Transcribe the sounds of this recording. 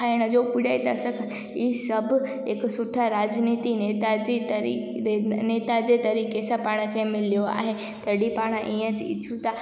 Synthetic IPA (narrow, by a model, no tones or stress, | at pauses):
aɪɽ̃əd͡ʑopʊɽait̪ɐsəkʰə | iːsɐb | eksʊʈʰaɾaːd͡ʑniːt̪inet̪ad͡ʑit̪ɾ | neːt̪ad͡ʑet̪ɐɾiːkesapaːɽ̃əkʰemɪlijoa̰ːɦe | t̪ɐɽipaːɽ̃əʔiə̃d͡ʑɪ̰t͡ʃʰut̪a